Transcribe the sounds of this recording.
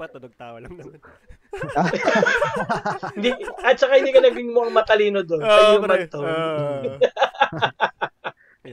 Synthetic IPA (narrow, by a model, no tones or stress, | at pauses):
hɪnd̪iɐt̪̚t͡ʃɐkahɪnd̪iːkɐnɐɡɪŋmʊʔɐŋmɐt̪ɐliːnod̪onsɐjʊŋmɐnt̪o